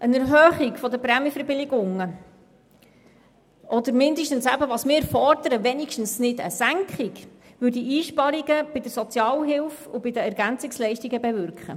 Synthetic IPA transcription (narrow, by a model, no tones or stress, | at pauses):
ʔənɛɾɦœːχikfɔd̪əpɾɛmjfəɾbɪlɪɡʊŋə | ʔɔd̪əɾmɪnd̪əʃtən̩sæbəʋɑːsmɪfɔrd̪əɾəʋɛnikʃtən̩snɪdə̰sæŋkχik | ʋʉɾdiʔiːʃpɑɾiɡəb̥ɪd̥̪əɾsɔt͡sjɑːlɦɪlfubɪd̪əæɾɡænt͡sɪkslɛɪʃtiɡəbɛvʏɾkχə̰